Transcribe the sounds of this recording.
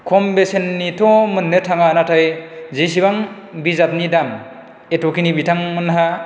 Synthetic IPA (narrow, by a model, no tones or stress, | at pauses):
kʰɔmbesenːitʰɔmɯnːetʰaŋanatʰajzis̬iβaŋ | bizat̚nidam | etɔkinibitʰaŋmɯnɦa